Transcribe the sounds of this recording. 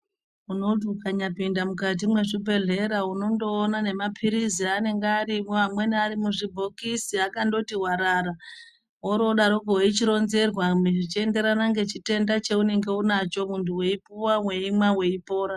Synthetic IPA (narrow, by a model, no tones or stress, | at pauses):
uno̞utukaɲapindamukat̬imwe̞ʐibʱe̞ɮe̞ɾauno̞ndo̞ːnane̞mapʰiɾiziane̞ŋɡeaɾimoamwe̞niaɾimuʐibʱo̞kisiakando̞tiɦwaɾara | oɾo̞ɗaɾoɡoeit͡ʃiɾo̞nze̞rwamʐit͡ʃie̞nde̞ɾanaŋɡe̞t͡ʃite̞ndat͡ʃe̞une̞ŋɡe̞unat͡ʃo̞muntʰuwe̞ipuwawe̞imwawe̞ipo̞ːɾa